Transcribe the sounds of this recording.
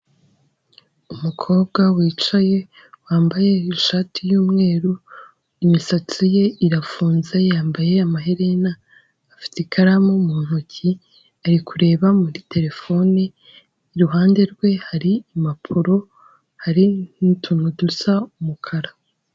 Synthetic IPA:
umukʰo̞ːbɡawiːt͡ʃaje̞ | waːmbaje̞iʃaːtʰijuːmŋe̞ːɾu | imisat͡sije̞iɾafuːnzejaːmbaje̞amaɦeɾenaː | fi̥tikʰaɾamomuːn̥huci | aɾikʰuɾe̞ːβamuɾite̞ɾe̞fo̞neː | ɾuɦaːnde̞ɾɡwe̞haɾiːmapʰuɾo̞ | haɾinintʰuːn̥hudusaumukʰaɾa

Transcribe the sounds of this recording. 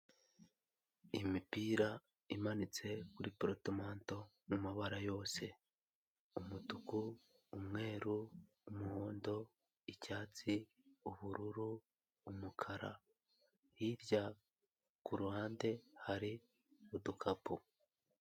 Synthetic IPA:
imipiːɾa | imanit͡se̞kuɾipɾotomaːnto̞ | mumaβaɾajo̞ːse̞ | umutukuː | mŋe̞ːɾuː | muhoːndo̞ | icaːt͡si | uβuɾuɾuː | mukʰaɾa̰ | hiɾɟa | kuɾuhaːnde̞haɾi | udukʰapu

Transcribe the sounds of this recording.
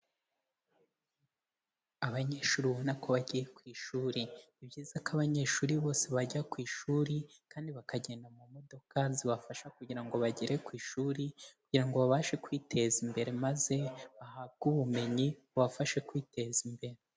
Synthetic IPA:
aβaɲe̞ːʃuːɾiβonakoβaɟijekwiːʃuːɾiibɟiːzakaβaɲe̞ːʃuːɾiβo̞ːse̞βaɟakwiːʃuːɾikaːndiβakaɟe̞ːndamumo̞do̞kaziβafaʃakuɟiɾaŋɡo̞βaɟiɾe̞kwiːʃuːɾikuɟiɾaŋɡo̞βaβaʃe̞kwiːtʰe̞zimbe̞ɾe̞maze̞βahab̚ɡuβume̞ɲiuβafaʃe̞kwiːte̞zimbe̞ɾe

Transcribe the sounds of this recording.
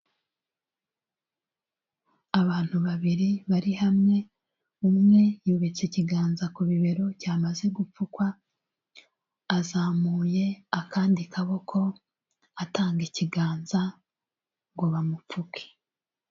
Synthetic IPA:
aβaːn̥huβaβiɾiβaɾihamŋe̞ | umŋe̞juːβet͡seciɡaːnzakuβiβe̞ɾo̞caːmaze̞ɡup͡fukwa | zaːmuːje̞akaːndikaβo̞kʰo̞ | ataːŋɡiciɡaːnza | ɡoβamup͡fuke̥

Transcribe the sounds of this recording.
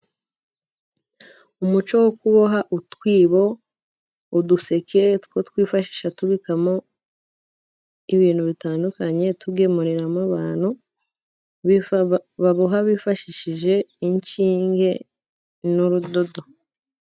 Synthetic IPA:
umut͡ʃo̞wokuβoɦaʔutwiːβo̞ | uduse̞ketkotwiːfaʃi̥ːʃatuβikamo | iβiːn̤̥huβitaːndukaɲe̞tuɡe̞muɾiɾamaβaːn̥hu | βaβuɦaβifaʃiʃiʒe̞iɲt͡ʃiːŋɡe̞ | nuɾudo̞do̞

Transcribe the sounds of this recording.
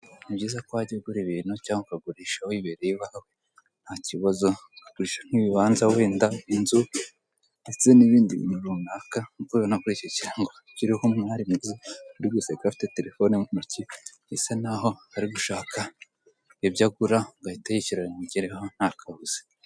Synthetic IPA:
nibɟiːzakwaɟeɡuɾiβiːn̥hucaːŋɡokaɡuɾiːʃawiβeɾejiβahawo | n̥haciβazo̞kaɡuɾiːʃaŋ̥iβiβaːnzaweːndainzu | ndet͡seniβiːndiḭnuβunakaŋukuonakuɾicociɾaŋɡo | ciɾihomŋaɾimuzekuɾiɡisekafi̥te̞te̞ɾefonemuci | isenaɦo̞haɾiɡuʃaːkʰa | ebɟaɡuɾaŋɡaitejiciɾaɟiɾehon̥hakʰahuz̥e̥

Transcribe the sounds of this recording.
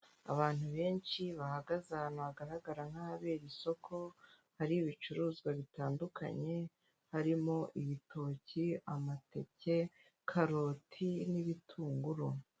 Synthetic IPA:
a̰βaːn̥huβe̞ːnt͡ʃiβahaɡazanaβaɡaɾaɡaɾaŋhaaβe̞ːɾiso̞kʰo̞ | haɾiβit͡ʃuɾuːzɡwaβitaːnduka̰ɲe̞ | haɾimo̞ʔiβitʰo̞ːciamate̞̰ce̞ | kʰaɾo̞ːtʰiniβitʰuːŋɡuɾo

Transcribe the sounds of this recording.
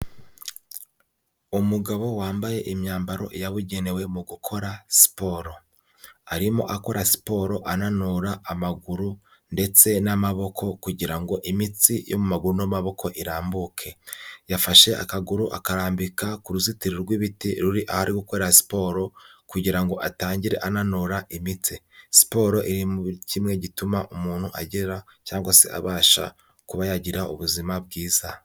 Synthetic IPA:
umuɡaβo̞waːmbaje̞ʔimɲaːmbaɾo̞̰ʔijaβuɟe̞ne̞we̞muɡukʰo̞ɾasi̥po̞ɾo̞ | aɾimo̞̰ʔako̞ɾasi̥po̞ɾo̞ʔananuɾaːmaɡuɾu | nde̞t͡se̞namaβo̞kʰo̞kuɟiɾaŋɡo̞ʔimit͡sijo̞̰mumaɡuɾunamaβo̞kʰo̞ʔiɾaːmbukʰe̞jafaʃe̞ʔa̰kaɡuɾuʔa̰kaɾaːmbikakuɾuzitiɾiɾɡwiβitiɾuɾiʔahaɾiɡukweːɾaasi̥po̞ːɾo̞kuɟiɾaŋɡo̞ʔataːɲɟiɾe̞̰ʔananoɾaʔimit͡si | si̥po̞ːɾo̞ʔiɾimucimŋe̞ɟitumaʔumuːn̥huʔa̰ɟiɾacaːŋɡasḛʔa̰βaːʃa̰ | kuβajaɟiɾaṵβuzimabɡiːz̥a

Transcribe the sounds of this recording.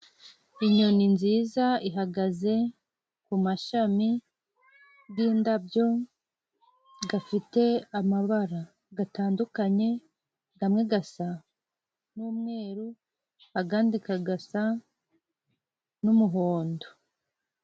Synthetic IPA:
iɲoninziːzaiɦaɡaze̞ | kumaʃami | ɡiːndabjo̞ | ɡafite̞amaβaɾa | ɡataːndukaɲe̞ | ɡamŋeɡasa | nuːmŋe̞ːɾu | haɡaːndikaɡasa | numuɦoːndo

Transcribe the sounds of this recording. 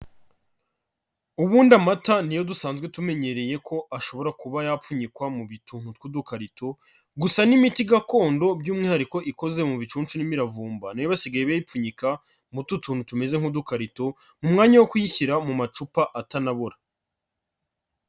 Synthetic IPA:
uβuːndamatanijo̞dusaːnzɡwe̞tume̞ɲe̞ɾe̞je̞kʰo̞ʔaʃo̞βo̞ɾakuβajafuɲikwamuβituːn̥utkwudukaɾitʰo̞ | ɡusanimitiɡako̞ːndo̞bjuːmŋiːhaɾiko̞ʔiko̞ze̞muβit͡ʃuːnt͡ʃunimiɾavuːmbanijoβasiɡajeβajip͡fuɲika | mututʰuːnhutume̞ze̞ŋ̥udukaɾito̞ | mumŋaːɲawokwujiçiɾamumat͡ʃupaʔatanaβoɾa

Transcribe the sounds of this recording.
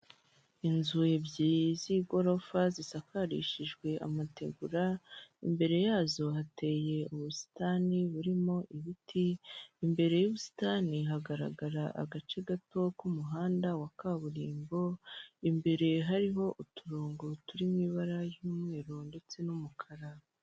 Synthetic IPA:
inzujebjiziːɡo̞ɾo̞fazisakaɾḭʃiʒɡwe̞ʔa̰mateɡuɾaimbe̞ɾe̞jaːzo̞ɦate̞je̞uβusi̥taniβuɾimo̞ʔiβitʰiːmbe̞ɾe̞juβusi̥taniɦaɡaɾa̰ɡaɾaʔa̰ɡat͡ʃe̞ɡato̞kumuɦaːndawakaβuɾiːmbo̞imbe̞ɾe̞ɦaɾiɦo̞ʔutʰuɾuːŋɡotuɾimiβaɾajumŋe̞ːɾonde̞t͡se̞numukʰaɾa

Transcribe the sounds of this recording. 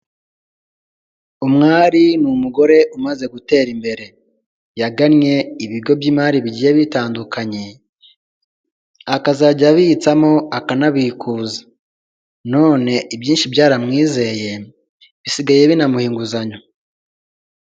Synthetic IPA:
umŋaːɾinumuɡo̞ɾe̞ʔumaze̞ɡute̞ːɾimbe̞ɾe̞ | jaɡanɲe̞iβiɡɡo̞bɟiːmaːɾiβiɟiːjeβitaːndukʰaɲe̞ | akazaɟaβiit͡samo̞akanaβikʰuːza | no̞ːne̞ʔibjiːnʃibɟaːɾamŋiːze̞je̞ | βisiɡaje̞βinamuhiːŋɡuzaɲo

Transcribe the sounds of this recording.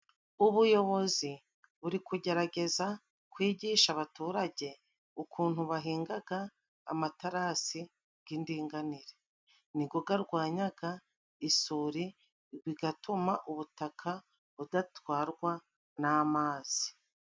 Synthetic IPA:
uβujo̞βo̞zi | βuɾikuɟe̞ɾaɟe̞za | kwiːɟiːʃaβatuːɾaɟe̞ | ukuːn̥huβaɦiːŋɡaɡa̰ː | mataɾasi | ɡ̥indiːŋɡaniɾe̞ | niɡo̞ɡaɾɡwaːɲaɡa | isuɾi | βiɡatumaʔuβutakʰa | βudatwaːɾɡwa | naːmaːz̥i̥

